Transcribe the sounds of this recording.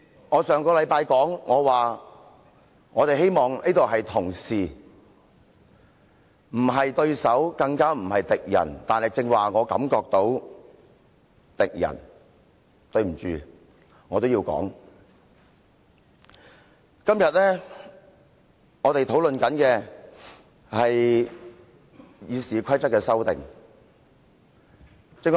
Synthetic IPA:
ŋɔː˨˧sœː˨ŋkɔː˧lɐ˨˧jpaː˧jkɔː˨˥ŋŋɔː˨˧waː˨˩ | ŋɔː˨˧t̪e˨jɦe˥jmɔː˨ŋniː˥t̪o˨wɦɐ˨jt̪ʰʊ˨˩ŋsiː˨˩ | m̩˨˩ɦɐ˨jt̪ɵ˧ɥsɐ˨˥wkɐ˧ŋkaː˥m̩˨˩hɐ˨jt̪ɪ˨k̚jɐ̰˨˩nt̪aː˨nhɐ˨jt͡sɪ˧ŋwaː˨ŋɔː˨˧kɐ̰˨˥mkɔː˧k̚t̪o˨˧˥w | t̪ɪ˨k̚jɐ̰˨˩n | t̪ɵ˧ɥm̩˨˩t͡ʃyː˨ | ŋɔː˨˧t̪o˥wjiː˧wkɔ̰ː˨˥ŋ | kɐ˥mjɐ˨t̚lɛː˥ | ŋɔː˨˧t̪e˨jt̪ʰo˨˥wlɵ˨nkɐ˨˥nkɛː˧ | hɐ˨j | jiː˨˧siː˨kʰɐ˥jt͡sɐ˥t̚kːɛː˧sɐ˥wt̪ɪ̰˨˩ŋ | t͡sɪ˧ŋ

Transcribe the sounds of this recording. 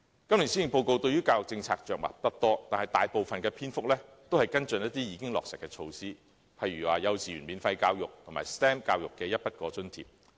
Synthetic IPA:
kɐ˥mli˨˩siː˥jɪ˨ŋpo˧wko˧wt̪ɵ˧ɥyː˥kaː˧wjʊ˨k̚t͡sɪ˧ŋt͡sʰaː˧k̚t͡ʃœː˨k̚ma̰ː˨p̚t̪ɐ˥k̚t̪ɔː˥t̪aː˨nhɐ˨˩jt̪aː˨jpo˨wfɐ˨nkɛː˧pʰiː˥nfʊ˥k̚lɛː˥t̪o˥whɐ˨jkɐ˥nt͡sɵ˧˨njɐ˥t̪iː˥jiː˨˧kɪ˥ŋlɔ̰ː˨ksɪ˨˩kːɛː˧t͡ʃʰo˧wsiː˥ | pʰɐ˨˧jɥyː˨˩waː˨˩jɐ˨˧wt͡sʰiː˨˩yː˨˩nmiː˨˧nfɐ˧jkaː˧wjʊ˨k̚t̪ʰʊ˨˩ŋma̰ː˨˩jst̪ɛː˥mkaː˧wjʊ˨kːɛː˧jɐ˥t̚pɐ˥t̚kɔː˧t͡sɵ˥nt̪ʰḭ˨p̚

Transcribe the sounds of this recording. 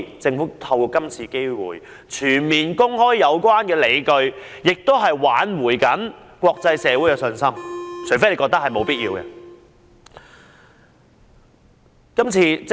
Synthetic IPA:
t͡sɪ˧ŋfuː˨˥t̪ʰɐ˧wkɔː˧kɐ˥mt͡sʰiː˧ke˥jwṵː˨˩j | t͡ʃʰyː˨˩nmiː˨nkʊ˥ŋhɔː˥jːɐ˨˧wkʷwaː˥nkɛː˧le˨˧jkɵ˧ɥjɪ˨k̚t̪o˥wɦɐ˨jwaː˨˥nwuː˨˩jkɐ˨˥n | kwɔː˧k̚t͡sɐ˧jsɛː˨˧wu˨˥jɛ˧sɵ˧nsɐ˥mt͡ʃʰɵ˨˥ɥf̬e˥ne˨˧˥kɔː˧k̚t̪ɐ˥khɐ˨jmo˨˧wpiː˥t̚jiː˧wkɛ̰˧ | kɐ˥mt͡sʰiː˧t͡s

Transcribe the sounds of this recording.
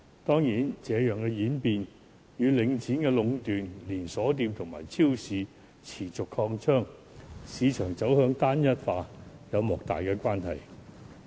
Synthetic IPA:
t̪ɔː˥ŋjiː˨˥nt͡sɛː˨˧jœː˨˩ŋkɛː˧jiː˨˥npiː˨˧n | jyː˨˧lɪ˨˧ŋt͡siː˨˥nkɛː˧lʊ˨˧ŋt̪yː˨nliː˨˩nsɔː˨˥t̪iː˧mt̪ʰʊ˨˩ŋma̰ː˨˩jt͡sʰiː˥wsiː˨˧ | t͡sʰiː˨˩t͡sʊ˨kʰɔː˧ŋt͡ʃʰœː˥ŋ | siː˨˧t͡ʃʰœː˨˩ŋt͡sɐ˨˥whœː˨˧˥ŋt̪aː˥njɐ˥t̚faː˧jɐ˨˧wmɔː˨˩k̚t̪a̰ː˨jkɛː˧kʷaː˥nhɐ˨j

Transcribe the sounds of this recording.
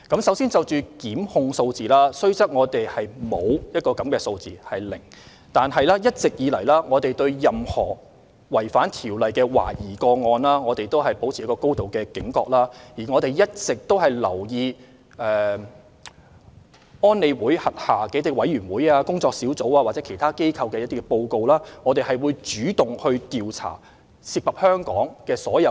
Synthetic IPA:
kɐ˨˥msɐ˨˥wsiː˥nt͡sɐ˨˧wt͡ʃyː˨kiː˨˥mhʊ˧ŋso˧wt͡siː˨laː˥sɵ˥ɥt͡sɐ˥k̚ŋɔː˨˧t̪e˨jhɐ˨jmo˨˧wjɐ˥t̚kɔː˧kɐ˨˥mkɛː˧so˧wt͡sḭː˨˩hɐ˨jlɪ̰˨˩ŋ | t̪aː˨nɦɐ˨jlaː˥jɐ˥t̚t͡sɪ˨k̚jiː˨˧lɐ˨˩jlaː˥ŋɔː˨˧t̪e˨jt̪ɵ˧ɥjɐ˨mhɔ̰ː˨˩ | wɐ˨˩jfaː˨˥nt̪ʰiː˨˩wlɐ˨jkɛː˧wa̰ː˨˩jiː˨˩kɔː˧ŋɔː˧nlaː˥ŋɔː˨˧t̪e˨jt̪o˥wɦɐ˨jpo˨˥wt͡sʰi˨˦˥kɔː˧ko˥wt̪o˨wkɛː˧kɪ˨˥ŋkɔ̰ː˧k̚laː˥jiː˨˩ŋɔː˨˧t̪e˨jjɐ˥t̚t͡sɪ˨k̚t̪o˥whɐ˨jlɐ̰˨˩wjiː˧ | ɛː˨ | ɔː˥nle˨˧wuː˨˥jhɐ˨t̚haː˨˩kɛː˧˦ɐt̪i˥wɐ˨˥jɥyː˨˩nwuː˨˥jaː˧kʊ˥ŋt͡sɔː˧k̚siː˨˥wt͡so˨˥waː˧waː˨t̚t͡sɛː˨˥kʰe˨˩jt̪ʰaː˥ke˥jkʰɐ˧wkɛː˧jɐ˥t̪iː˥kɛ˧po˧wko˧wlaː˥ŋɔː˨˧t̪e˨jhɐ˨jwu˨˧jt͡ʃyː˨˥t̪ʊ˨ŋhɵ˧ɥt̪iː˨˧wt͡sʰa̰ː˨˩ | siː˧k̚pːɐ˨p̚hœː˥ŋkɔ̰ː˨˥ŋkɛː˧sɔː˨˥jɐ˨˧

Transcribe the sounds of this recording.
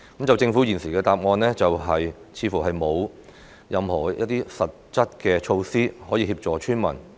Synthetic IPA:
kɐ˨˥mt͡sɐ˨wt͡sɪ˧ŋfuː˨˥jiː˨˩nsiː˨˩kɛː˧t̪aː˨p̚ŋɔː˧nlɛː˥t͡sɐ˨wɦɐ˨j | t͡sʰiː˨˧fuː˨˩ɦɐ˨jmo˨˧w | jɐ˨˧mhɔː˨˩jɐ˥t̚t̪iː˥sɐ˨t̚t͡sɐ˥t̚kɛː˧t͡ʃʰo˧wsiː˥hɔː˨˥jiː˧hiː˧p̚t͡sɔː˨t͡ʃʰyː˥nmɐ̰˨˩n

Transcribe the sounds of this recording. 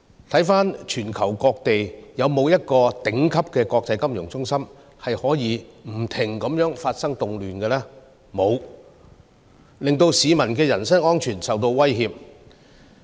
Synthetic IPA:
t̪ʰɐ˨˥jfaː˥nt͡ʃʰyː˨˩nkʰɐ˨˩wkɔː˧k̚t̪e˨jjɐ˨˧wmo˨˧wjɐ˥t̚kɔː˧t̪ɪ˨˥ŋkʰɐ˥p̚kɛː˧kɔː˧k̚t͡sɐ˨˧˥jkɐ˥mjʊ˨˩ŋt͡sʊ˥ŋsɐ˥m | hɐ˨jhɔː˨˥jiː˨˧m̩˨˩t̪ʰɪ˨˩ŋkɐ˨˥mjœː˨˥ŋfaː˧t̚sɐ˥ŋt̪ʊ˨ŋlyː˨nkɛ˧lɛː˥ | mo˨˧w | lɪ˨ŋt̪o˧wsiː˨˧mɐ˨˩nkɛː˧jɐ˨˩nsɐ˥ŋɔː˥nt͡ʃʰyː˨˩nsɐ˨wt̪̬o˧wwɐ˥jɦiː˧p̚

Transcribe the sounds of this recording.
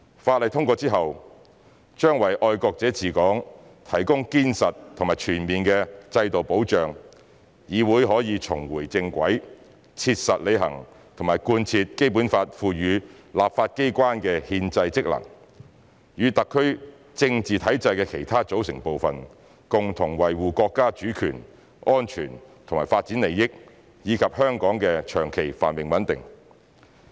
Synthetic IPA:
faː˧t̚lɐ˨˧jt̪ʰʊ˥ŋkʷɔː˧t͡siː˥ɦɐ˨w | t͡ʃœː˥ŋwɐ˨˩jʔɔː˧jkɔː˧k̚t͡sɛː˨˥t͡siː˨kɔː˨˥ŋ | t̪ʰɐ˨˩jkʊ˥ŋkiː˥nsɐ˨tt̪ʰŋmaː˨˩t͡ʃʰyː˨˩nmiː˨˩nkɛ˧t͡sɐ˧jt̪o˨wpo˨˥wt͡ʃœː˨ŋ | jiː˨˧wuː˨˥jɦɔː˨˥jiː˨˧t͡sʰʊ˨˩ŋwuː˨˩jt͡sɪ˧ŋkʷɐ̰˨˥j | t͡sʰiː˧t̚sɐ˨t̚le˨˧jɦɐ̰˨˩ŋ | t̪ʰʊ˨˩maː˨˩jkuː˧nt͡sʰiː˧t̚ke˥jpuː˨˥nfaː˧t̚fuː˨˧jyː˨˧ | laː˨p̚faː˧t̚ke˥jkʷaː˥nkɛː˧hiː˧nt͡sɐ˧jt͡sɪ˥k̚lɐ̰˨˩ŋ | jyː˨˧t̪ɐ˨kʰːɵ˥ɥ | t͡sɪ˧ŋt͡siː˨t̪ʰɐ˨˥jt͡sɐ˧jkɛː˧kʰe˨˩jt̪ʰaː˥t͡so˨˥wsɪ˨˩ŋpo˨˧wfɐ˨n | kʊ˨ŋt̪ʰʊ˨˩ŋwɐ˨˩jwuː˨kɔː˧kːaː˥t͡ʃyː˨˥kʰy̰ː˨˩n | ʔɔː˥nt͡ʃʰy̰ː˨˩nt̪ʰʊ˨˩ŋmaː˨˩jfaː˧t̚t͡siː˨˥nle˨jːɪ˥k̚ | jiː˨˧kʰɐ˨p̚hœː˥ŋkɔː˨˥ŋkɛː˧t͡ʃʰœː˨˩ŋkʰe˨˩jfa̰ː˨˩nmɪ˨ŋwɐ˨˥nt̪ɪ̰˨ŋ

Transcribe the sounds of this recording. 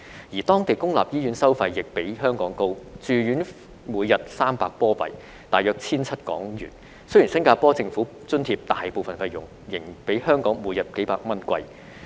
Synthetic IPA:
jiː˨˩t̪ɔː˥ŋt̪e˨jkʊ˥ŋlaː˨p̚jiː˥jyː˨˥nsɐ˥wfɐ˧jjɪ˨k̚pe˨˥jɦœː˥ŋkɔː˨˥ŋko˥wt͡ʃyː˨˧jyː˨˥n | muː˨˧jjɐ˨t̚saː˥mpaː˧k̚pɔː˥pɐ̰˨j | t̪aː˨˩jœː˧k̚t͡sʰiː˥nt͡sʰɐ˥t̚kɔ̰ː˨˥ŋjy̰ː˨˩n | sji˨˩nsɐ˥ŋkaː˧pɔː˥t͡sɪ˧ŋfuː˨˥ | t͡sɵ˥nt̪ʰiː˧p̚t̪aː˨jpo˨wfɐ˨nfɐ˧jʊ̰˨˩ŋ | jɪ˨˩ŋpe˨˥jhœː˥ŋkɔː˨˥ŋmuː˨˧jɐ˨t̚ke˨˥jpaː˧k̚mɐ˥nkʷɐ̰˧j

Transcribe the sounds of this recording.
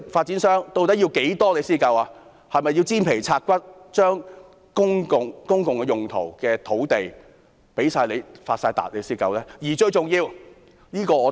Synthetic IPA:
faː˧t̚t͡siː˨˥nsœː˥ŋt̪o˧wt̪ɐ˥t̚ji˧wke˨˥jt̪ɔː˥le˨˧jsiː˥kɐ˧waː˧ | hɐ˨jmɐ˨jːi˧wt͡siː˥npʰe˨˩jt͡sʰaː˧t̚kʷɐ˥t̚t͡ʃœː˥ŋ | kʊ˥ŋkʊ˨˩ŋkʊ˥ŋkʊ˨ŋkɛ˧jʊ˨˩ŋt̪ʰo̰˨˩wkɛː˧t̪ʰo˨˥wt̪e˨j | pe˨˥jsaː˧jle˨˧faː˧t̚saː˧jt̪a̰ː˨t̚le˨˧jsiː˥kɐ̰˧wlɛː˥jiː˨˩t͡ʃɵ˧ɥt͡sʊ˨ŋjiː˧w | niː˥kɔː˧ɔː˨˧

